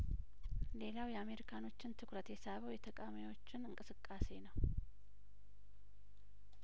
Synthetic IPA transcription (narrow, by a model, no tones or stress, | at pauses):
le̞lawjɛame̞ɾikʰano̞t͡ʃːɪnt̪ʰɨkɾət̪esaβəwjɛt̪ʰəkʼamiwo̞t͡ʃːɪnɨŋkʼɨsɨkʼːase̞nəw